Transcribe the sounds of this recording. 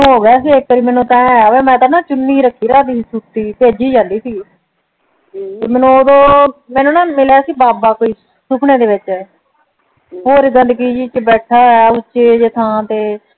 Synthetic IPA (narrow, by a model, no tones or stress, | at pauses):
ɦoːɡaːsiːek̚ːəɾiːmɛ̃ːnũːt̪ãːʋẽːmɛ̃ːt̪aːnaːt͡ʃʊnːiːɾəkʰːiːɾaːd̪iːsiːsuːt̪iːt̪eːəd͡ʒiːd͡ʒaːliːsiː | eːmɛ̃ːnũːoːd̪õːmɛːnũːnãːmɪlaːsiːbaːbaːkoːiː | sʊpʰneːd̪eːʋɪt͡ʃɛː | ɦoːɾiɡənd̪ɡiːd͡ʒiːt͡ʃəbɛːʈʰaːɛʊt͡ʃːʃeːd͡ʒɪt̪ʰãːt̪eː